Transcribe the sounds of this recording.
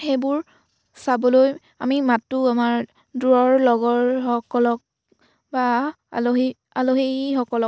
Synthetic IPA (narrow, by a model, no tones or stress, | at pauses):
hebʊɹ | sabɔloj | a̰mimatːʊamaɹ | duɹɔɹlɔɡɔɹhɔkɔlɔk̚ | ba | a̰loɦi | aloɦexɔkɔlɔ